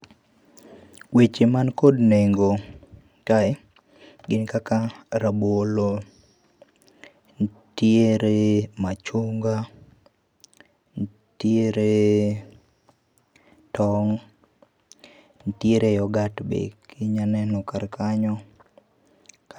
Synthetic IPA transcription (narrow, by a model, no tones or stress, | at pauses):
wet͡ʃemankodneŋɡo | taɛ | ɡɪnkakaɾabolo | n | tjeɾemat͡ʃuŋɡa | n | tjeɾe | tɔŋ | ntjeɾejɔɡatbḛkiɲanɛnɔkarkaɲɔ